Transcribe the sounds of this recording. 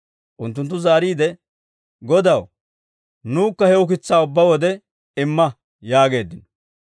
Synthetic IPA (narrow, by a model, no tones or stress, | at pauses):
ʔʊnt̪ːʊnt̪ːʊzaːɾiːd̪ɛ | ɡɔd̪ɐw | nuːkːɐhɛʊk̬ɪt͡sːaːʊbːɐwɔd̪ɛ | ɪmːɐ | jaːɡe̞ːd̪ːɪnɔ̥